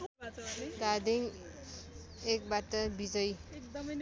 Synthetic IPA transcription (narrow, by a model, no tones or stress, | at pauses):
ɡad̪iŋ | ek̚bat̪ʌbid͡zʌj